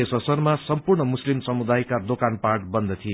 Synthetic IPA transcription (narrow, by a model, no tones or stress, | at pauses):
esʌsʌrmasʌmpurɳʌmuslimsʌmud̪ajkad̪okanparʈbʌnd̪ʌt̪ʰie